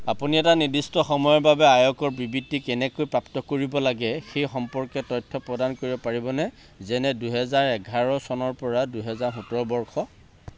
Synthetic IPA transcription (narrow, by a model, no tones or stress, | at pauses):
apuniɛtanidistɔxɔmɔjɔɹbabɛajɔkɔɹbibitːikɛnɛkojpɹaptɔkoɹibɔlaɡɛxejxɔmpɔɹkɛtɔjtʰːɔpɹɔdankoɹibɔpaɹibɔnɛ | zɛnɛduɦɛzaɹɛɡʱaɹɔsɔnɔɹpɔɹaduɦɛzaɹɦũtɹɔbɔɹxʰɔ